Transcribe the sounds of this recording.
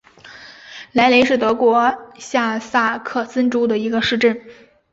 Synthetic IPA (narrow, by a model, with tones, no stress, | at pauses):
la˧˥ɪle˧˥ɪʂɻ̩˥˩t̪ɤ˧˥kwɔ˧˥ɕja˥˧sa˥˩kʰɤ˥˩t͡sə˥nʈ͡ʂu˥d̪ə˨i˧˥ɡə˧ʂɻ̩˥˧ʈ͡ʂə˥˩n